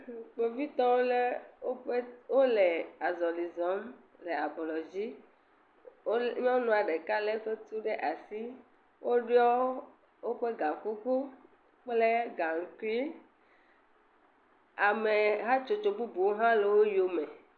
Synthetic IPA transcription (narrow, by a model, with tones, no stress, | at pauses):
k͡pe˨vi˦t̪ɔ˦wo˦le˦o˦ɸwo˦le˨a˨zɔ˨li˨zɔ˨˦m | le˨a˨blɔ˨d͡ʑi˦ | ɲ˦ɔ̃˦wo˦nɔ̃˨a˨ɖe˨ka˦le˦ɸe˦t̪u˦ɖe˦ʔa˨si˦ | wʔo˦ɖi˦ɔ˦ | wo˦ɸe˦ɡa˨ku˦ku˦ | k͡ple˦ɡa˨ŋ̩˨ki˦ | a˨me˨ɦa˦t͡ʃo˨t͡ʃo˨bu˦bu˨wo˦ɦã˦le˨wo˦jo˨me˨